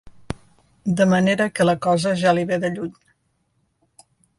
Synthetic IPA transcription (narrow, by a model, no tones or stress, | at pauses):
d̪əməneɾəkələkɔzəʒaliβeðəʎuɲ